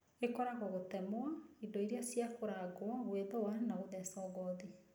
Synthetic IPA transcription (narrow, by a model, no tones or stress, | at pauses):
ekɔɾaɣɔɣotɛmoaindoiɾeasjakoɾaɡoaweðɔwanaoðɛsɔɣɔði